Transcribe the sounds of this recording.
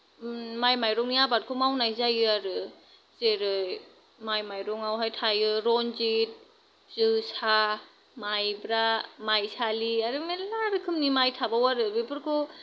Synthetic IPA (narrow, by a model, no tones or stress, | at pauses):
majmajɾɔŋnijabaɾkʰɔmawnajzajɯaɾɯ | z̥eɾɯj | majmajɾɔŋawɦajtʰajɯɾɔnzit̚ | z̥ɯsa | majbɾamajsaliaɾɯmelaɾɯkʰɯmnimajtʰabawaɾɯbipɯɾkʰɔ